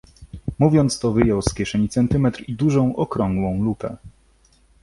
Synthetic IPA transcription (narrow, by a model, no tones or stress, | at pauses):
muvʲjɔnt̪st̪ɔvɘjɔwskʲjɛʂɛɲit̪sɛnt̪ɘmɛt̪ɾid̪uʐɔ̃w̃ʔɔkɾɔ̃ŋɡwɔ̃w̃lupɛ̰